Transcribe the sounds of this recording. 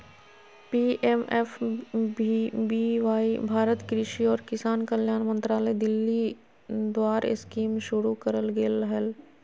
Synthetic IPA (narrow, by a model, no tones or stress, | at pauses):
piːʔemeːfbbiʋaːibʱaːɾət̪kɾɪʃiɔːɾkɪsaːnkəljaːnmə̃nt̪ɾaːləd̪ɪlːi | d̪waːɾɪ̰skiːmʃʊɾukɐɾəlɡeːləɦɛl